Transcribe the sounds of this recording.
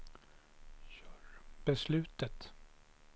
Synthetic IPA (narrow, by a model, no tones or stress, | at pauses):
ɕœːɾb̥ɛslʉ̟ːt̪ət̪